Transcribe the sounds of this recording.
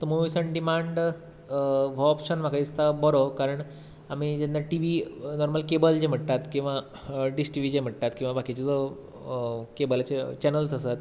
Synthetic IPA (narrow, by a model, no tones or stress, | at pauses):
t̪əmoʋisəɳɖimaɳɖ | ʋoɔpɕənm̤akaist̪abəɾokaɾəɳ | amid͡ʑẽnːaʈiʋinɔɾməlkebəld͡ʑem̤əʈt̪at̪kĩw̃ʋa | ɖisʈiʋid͡ʑem̤əʈ̚t̪at̪kĩw̃ʋabʱakit͡ɕet͡sə | kebəlat͡ɕet͡ɕɛnəlsəsat̪